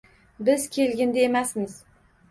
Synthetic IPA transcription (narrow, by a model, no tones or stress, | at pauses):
bɪzkʲʰe̞lɡʲɪnd̪eemasmɪz̥